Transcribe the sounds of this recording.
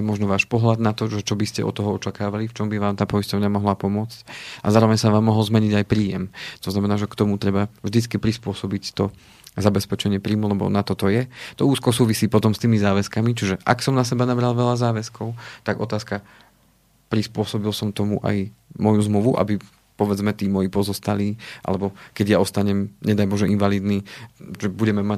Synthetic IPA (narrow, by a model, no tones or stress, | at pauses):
ɛmɔʒnɔʋaːʃpɔɦlad̪nat̪ɔʒɛt͡ʃɔbiscɛ̰ɔ̰t̪ːɔɦɔɔt͡ʃakaːʋalift͡ʃɔmbiʋaːmt̪aːpɔjiscɔʋɲamɔɦlapɔmʊɔt͡scʔazaːɾɔʋɛɲsaʋaːmːɔɦɔlzmɛɲiɟajpɾiːjɛmt̪ɔznamɛnaːʒɛkt̪ɔmut̪ɾɛbavʒd̪it͡skipɾispʊɔsɔbict̪ɔ | zabɛspɛt͡ʃɛɲɪɛpɾiːmulɛbɔ̰nat̪ɔt̪ɔjɛt̪ɔuːskɔsuːʋisiːpɔt̪ɔmst̪iːmizaːʋɛskamit͡ʃiʒɛʔa̰ksɔmnasɛbanabɾalʋɛʎazaːʋɛskɔʊt̪aɡɔt̪aːska | pɾispʊɔsɔbilsɔmt̪ɔmuʔa̰jmɔjuzmluʋuʔa̰bi | pɔʋɛd͡zmɛt̪iːmɔjipɔzɔst̪aliːʔa̰lɛbɔkɛɟjaɔst̪aɲɛmɲɛd̪ajbɔʒɛinʋaliːd̪niːʒɛbuɟɛmɛma